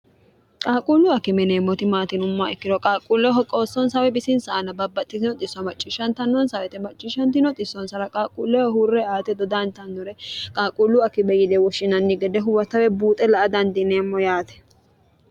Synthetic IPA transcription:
kʼaːkʼuːlːʊɐkːɪmɛneːmːɔt̪ɪmaːt̪ɪnʊmːaɛkːɪd̪ɔkʼaːkʼuːlːɛɦɔkʼo̞ːsːɔnsɐwɛbɪsɪnsɐʔɐnɐbɐbːɐt̪ʼːɪzɪnɔt̪ʼɪsːɐmɐt͡ʃʼːɪʃɐnt̪ɐnːɔnsɐwɛt̪ɛmɐt͡ʃʼːɪʃɐnt̪ɪnɔt̪ʼɪsːɔnsɐɾɐkʼaːkʼṵːlːɛwɔɦuːrːɛaːt̪ɛd̪ɔd̪ant̪ɐnːɔɾɛkʼaːkʼuːlːʊɐkːɪbɛjɪd̪ɛwɔʃːɪnɐnːɪɡɛd̪ɛɦʊwɐt̪ɐwɛbuːt̪ʼɛlɐʔɐd̪ɐnd̪ɪneːmːɔjaːt̪ɛ̥

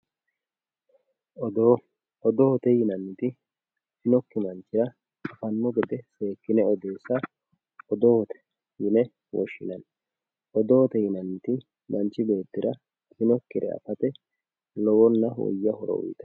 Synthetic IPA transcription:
ɔd̪o | ɔd̪ɔɔt̪ɛjɪnɐnːɪt̪ɪ | hɪnɔkːɪmɐnt͡ʃːɪɾɐ | ɐfɐnːɔɡɛd̪ɛse̞ːkːɪnɛɔd̪e̞ːsːɐ | ɔd̪ɔɔt̪ɛ̥ | jɪnɛ | wɔʃːɪnɐn | ʔɔd̪oːɔt̪ɛjɪnɐnːɪt̪ɪ | mɐnt͡ʃːɪbe̞ːt̪ːɪɾɐ | hɪnɔkːɪɾɛ̰ɐ̰fɐt̪ɛ | lɔwɔnːɐwɔ̰jːɐhɔɾɔ̰wʊ̰jt̪ɐ̥

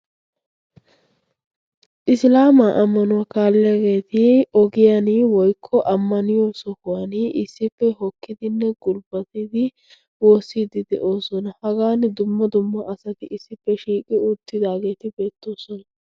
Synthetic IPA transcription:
ʔɪslaːmaʔɐmːɐnʊwaːkaːlːɪjaɡe̞ːt̪ɪɔɡɪjanɪwɔjkʰːɔʔɐmːɐnɪjɔːsɔhʊwanɪʔɪsːɪfːɛɦɔkːɪd̪ɪnːɛɡʊlbɐt̪ɪd̪ɪ | woːsːid̪ɪd̪ɛ̰ʔo̞ːsɔnɐhɐɡaːnd̪ʊmːɐd̪ʊmːɐʔɐsɐt̪ɪɪsːɪfːɛʃiːkʼɪʊt̪ːɪd̪aːɡe̞ːt̪ɪbe̞ːt̪ːo̞ːsɔnɐ

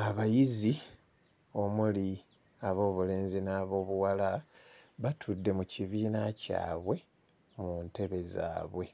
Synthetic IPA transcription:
aβajizi | o̞muli | aβo̞ːβule̞ːnzinaːβo̞ːβuwalaβatʰudːe̞muciβiːnaca̰ːβwe̞ | munte̞βe̞za̰ːβwe̞

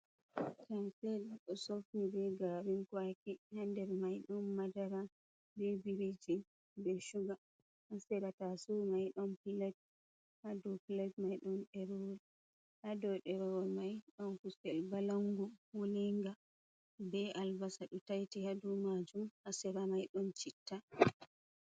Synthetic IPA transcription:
kamsɛɗɗɔsofnibɛɡaɾinkwakihandɛɾmajɗɔnːadaɾa | bebiɾid͡ʒi | bɛʃuɡa | ʔasɛɾatasumajɗɔnpilat̚ | hadupilad͡ʒmajɗɔnɗɛɾɔl | hadɔɗɛɾɔwɔlmajɗɔnkusɛlbalaŋɡuwuliŋɡa | bɛʔalbasaɗɔtajtihadumad͡ʒumhasɛɾamajɗɔnt͡ʃitːa

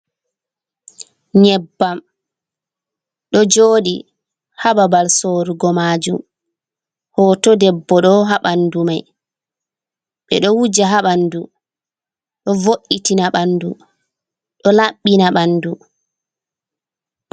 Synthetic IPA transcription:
ɲɛbːam | ɗɔd͡ʒoːɗi | hababalsoɾuɡɔmaːd͡ʒum | hɔːtɔdɛbːɔɗɔɦaɓandumaj | ɓɛ̰ɗɔwud͡ʒaɦaɓandu | ɗɔvoʔːitinaɓandu | ɗɔlaɓːinaɓandu

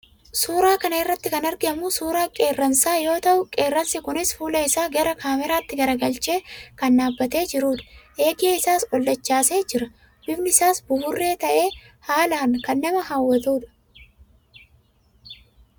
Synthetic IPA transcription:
suːɾaːkɐnɐɪrːɐt̪ːɪkɐnɐɾɡɪɐmusuːɾaːkʼe̞ːrːɐnsaːjo̞ːt̪ɐʔʊkʼe̞ːrːɐnsɪkʊnɪsfuːlɐɪsaːɡɐɾɐkʰaːmɛɾaːt̪ːɪɡɐɾɐɡɐlt͡ʃe̞ːkɐnːaːbːɐt̪e̞ːd͡ʒɪɾuːᶑɐ̥ʔe̞ːɡeːɪsaːsɔlːɐt͡ʃːaːse̞ːd͡ʒɪɾɐ | bɪbnɪɪsaːsbʊbʊrːe̞ːt̪ɐʔe̞ː | haːlaːnkɐnːɐmɐɦaːwːɐt̪uːᶑɐ̥

